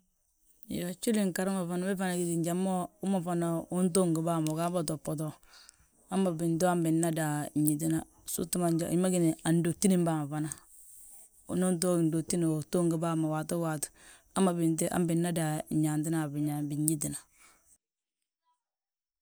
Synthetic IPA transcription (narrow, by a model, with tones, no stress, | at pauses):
jo˨t͡ʃu˦li˨ŋka˨ɾɪ˦ma˨fa˨na˦bɪ˦fa˦˨na˨ɡi˨ti˨ɲd͡ʒa˨mo˦ʊ˦ma˨fa˨na˨u˦nto˦ŋɡi˨ba˦˨mo˨ka˦ba˨tɔ˨pːɔ˨t̬ɔ˨ | a˦mːa˨bɪ˨nto˦a˦mbɪ˨nːa˦da˨ɲi˨t̬i˦na˨ | sṵ˦tːu˦ma˨d͡ʒi˦ma˦ɡɪ˦ni˨a˨ndo˨ti˦ni˦mba˨ma˨fa˨na˨˦ | no˦nt̬o˦˨ndo˨k̚ti˦ni˨o˨to˦ŋɡɪ˨ba˦˨ma˨wa˨tu˦wa˨t | a˦ma˨bɪ˨ntɪ˦ʔa̰˦mbɪ˨nːa˦da˨ɲɲa˨nt̬ɪ˦na˨bɪ˨ɲa˨bi˨ɲi˦t̬i˨na˨